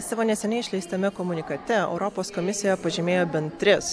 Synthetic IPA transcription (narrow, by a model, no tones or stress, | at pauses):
sɑːʋoːnʲɛsʲɛnʲɛɪʃʲlʲɛɪst̪ʲɛmʲɛkɔmʊnʲɪkɐt̪ʲɛɛ̰ʊɾɔpoːskɔmʲɪsʲɪjɛpɐʒʲɪmʲeːjoːbʲɛnʲt̪ʲɾʲɪs